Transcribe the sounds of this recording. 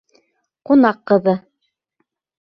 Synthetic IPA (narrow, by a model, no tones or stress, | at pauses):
qunɑqːɤ̆ðɤ